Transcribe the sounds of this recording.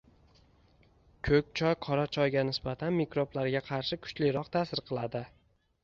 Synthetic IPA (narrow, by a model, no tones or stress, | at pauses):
kʰɵk̚ʲt͡ʃʰɒjqʰɒɾat͡ʃʰɒjɡʲanɪsbat̪ʰanmikɾoblaɾɡʲaqʰɑɾʃɪkʰʊ̥t͡ʃlɪɾɒqt̪ʰasɪɾqʰɨlˠad̪ɪ